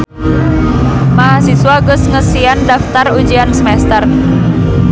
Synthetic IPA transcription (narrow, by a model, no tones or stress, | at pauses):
maɦasiswaɡʊsŋəsiandaft̪arud͡ʒiansəmɛst̪ər